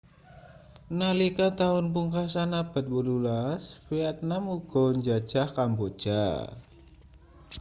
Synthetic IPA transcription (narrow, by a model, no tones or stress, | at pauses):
nalikat̪aʊnpuŋkasanab̥a̤t̪̚wəlulasfiat̪̚namuɡ̥ɔɲd͡ʒḁd͡ʒ̥ahkambod̥d͡ʒ̥a̰